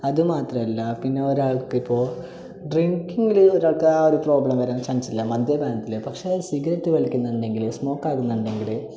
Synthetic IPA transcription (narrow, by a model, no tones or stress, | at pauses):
ɐðɨmaːt̪rɐmɐlːɐpinːe̞oɾaːɭkɨipːo̞ː | ɖriŋkiŋɡiloɾaːɭkoɾupro̞ːbɭɐmʋɐɾaːnt͡ɕɐnsilːɐmɐd̪jɐbʱaːnɐt̪ːilɨpɐkʂesiɡɐɾɐtːɨʋɐɭikʲːunːɐɳɖe̞ŋɡilsmo̞ːkːaːɣunːɐɳɖe̞ŋɡil